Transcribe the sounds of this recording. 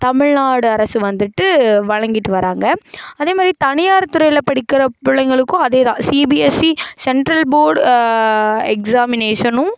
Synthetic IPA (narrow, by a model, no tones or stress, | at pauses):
t̪ɐmɪɻnaːɽɯɐɾɐsɯʋɐnd̪ɯʈːɯʋɐɻɐŋɡɪʈːɯʋɐɾaːŋɡɐɐðeːmaːd̪ɾit̪ɐnɪjaːɾt̪ːɯɾɐjɪlɐpɐɽɪkːɪɾɐpʊɭɐŋɡɐɭɯkːʊ̃ɐðeːðãːsiːbiɛsisɛɳʈɾɐlboːɾɖ | ɛksaːmɪneːʂɐnʊ̃